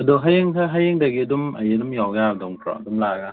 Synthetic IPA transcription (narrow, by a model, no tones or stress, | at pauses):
adoɦajiŋtʰaɦajiŋdaɡiduma̰jidumjɔwɡadoŋkʰɾɔ̰dumlaːɡa